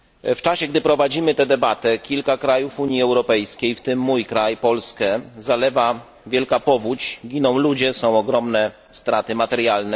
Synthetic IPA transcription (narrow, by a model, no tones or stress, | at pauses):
ft͡ʂaɕɛɡd̪ɘpɾɔvad͡ʑimɘt̪ɛd̪ɛbat̪ɛkʲilkakɾajufuɲjiɛwɾɔpɛjskʲejft̪ɘmːujkɾajpɔlskɛzalɛva | vʲjɛlkapɔvut͡ɕɡʲinɔ̃w̃lud͡ʑɛsɔ̃w̃ɔɡɾɔmnɛ | st̪ɾat̪ɘmat̪ɛɾjalnɛ